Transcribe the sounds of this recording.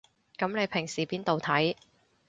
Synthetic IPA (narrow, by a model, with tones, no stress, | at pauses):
kɐ˨˧˥mne˨˧jpʰɪ˨˩ŋsiː˨˩piː˥nt̪o˨wt̪ʰɐ˨˥j